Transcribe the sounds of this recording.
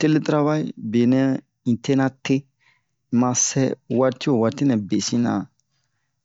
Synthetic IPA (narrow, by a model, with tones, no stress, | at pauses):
te˦le˦tɾa˦va˦i˦be˨nɛ̃˦ | ĩ˨te˦nã˦te˦ | mã˧sɛ˦wa˧ɾti˦o˨wa˧ti˦nɛ̃˨be˨sĩ˦nã̰˨